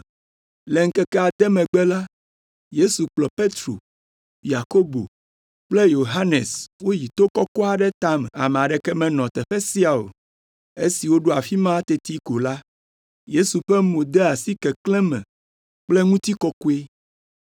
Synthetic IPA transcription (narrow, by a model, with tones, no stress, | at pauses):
lɛ˨ŋ̩˦kɛ˦kɛ˦a˨d̪ɛ˦mɛ̃˨ɡ͡bɛ˦la˦ | je˦su˨k͡plɔ˨pe˦t̪ɾo̰˨ | ja˨ko˦bo̰˨ | k͡ple˦jo˨ɦa˦nɛ˨swo˦ji˨t̪o˦kɔ˦kɔ˦a˨ɖɛ˦t̪a˦mɛ˨a̰˨mɛ˨a˨ɖɛ˨kɛ˦mɛ̃˨nɔ̃˨t̪ɛ˨ɸɛ˦si˦a˨o̰˨ | e˦si˨wo˦ɖo˦a˨fi˦mã˦t̪ɛ˦t̪i˦ko˨la˦ | je˦su˨ɸɛ˦mo˨d̪ɛ˦a˨si˦kɛ˨klɛ̃˦mɛ̰̃˨ | k͡plɛ˦ŋũ˦t̪i˦kɔ˦ko˦e˦